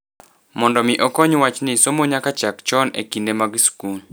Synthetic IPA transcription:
mɔndɔmɪʔɔkɔɲwat͡ʃnɪsomoɲakat͡ʃakt͡ʃɔnḛkindemaɡskul

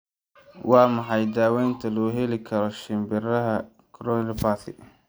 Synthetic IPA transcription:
wɑːmɑħɑjd̪aːwɛːnt̪ʰɐlɔːɦɛlɪkʰɐɾɔʃɪmbɪrɐɦɐ | kʰɾɔnpʰat̪ɪ̰

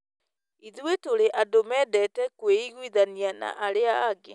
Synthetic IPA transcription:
iðiwetoɾeʔadomɛdɛtɛkweiɣwiðaniana̰ʔaɾeaːɡe

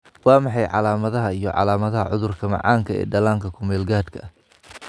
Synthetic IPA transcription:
wɑːmɑħɑjʕɑ̰laːmɐðɐɦɐijɔʕɑ̰laːmɐðɐɦɐʕʊðʊrkʰɐmɑ̰ʕɑːŋkʰɐɛ̰ːɖɐlaːŋkʰɐkʰʊmɛːlɡaːd̪kʰɐ̰

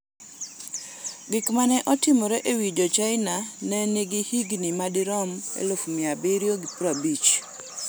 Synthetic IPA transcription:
ɡɪkmanɛʔɔtɪmɔɾɛʔewid͡ʒɔt͡ʃaɪnanɛneɡɪhiɡnimadɪɾɔmḛlofmɪabɪɾjoɡipɾabit͡ʃ

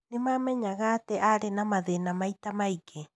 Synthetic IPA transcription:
nemamɛɲaɣateʔaɾenamaðenamajtamaike

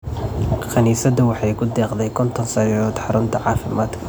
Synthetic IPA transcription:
xʰɐniːsɐd̪ɐwɑħɑjkʰʊd̪ɛːqd̪ɛjkʰɔnt̪ʰɔnsɐɾɔːd̪ħɑɾʊmt̪ʰɐʕɑːfɪmaːd̪kʰɐ

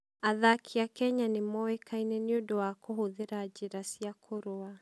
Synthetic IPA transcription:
aðakʰijakɛɲanɪmɔwɛkʰainɛniudɔwakɔhuðiɾaːd͡ʒiɾasiakʰɔɾɔa

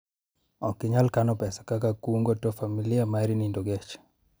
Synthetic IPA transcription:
ɔkːɪɲalkanɔpɛsḁkakakuŋɡotɔfamiliamaɾinindɔɡɛt͡ʃ

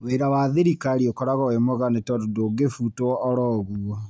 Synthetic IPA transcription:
weɾawaðeɾikaɾiokɔɾaɣɔwemoɣanetɔdodoɡefutwɔːɾɔɣuɔ

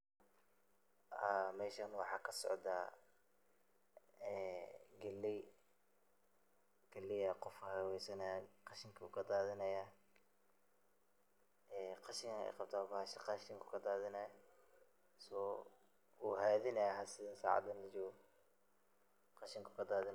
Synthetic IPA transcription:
amɛːʃɐnwɑħɑːkʰɐsɔ̰ʕd̪aː | ɛːɡɐlːɛj | ɡ̥ɐlːɪjɐqɔfɐhɐwɛjsɐnɐjqɑʃɪŋkʰɐṵːkʰɐd̪aːðɪnɐjaː | ɛːqɑʃɪŋkʰʔɛ̰jqɑb̚t̪ʰaːbaʃɪqɑʃɪŋkʰʊ̥kʰɐd̪aːðɪnɐj | sɔː | uːɦɛːðɪnɐjɦɐsɪðɐsa̰ːʕɑ̰d̪ɐnlɐt͡ʃɔːɣɔ | qɑʃɪŋkʰʊkʰɐd̪aːðɪn

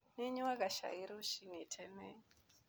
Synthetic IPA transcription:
neɲuakaʃa̰iɾuʃinitʰɛne

